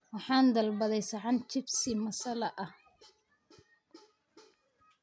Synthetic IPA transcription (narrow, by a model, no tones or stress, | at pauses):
wɑħɑːnd̪ɐlbɐðɛjsɐʕɑnt͡ʃɪbsɪmɐsɐlɐʔɐh